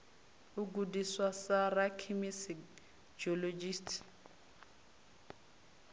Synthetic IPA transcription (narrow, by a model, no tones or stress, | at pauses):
uɡ̬udiswasarakʰimisi | d͡ʒɔlod͡ʒistʰ